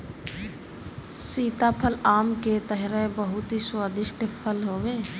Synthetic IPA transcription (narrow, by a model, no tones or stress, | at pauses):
siːt̪apʰəlaːmket̪əɦɾebəɦʊt̪ɦiswaːd̪ɪʃʈəpʰəlɦoːʋeː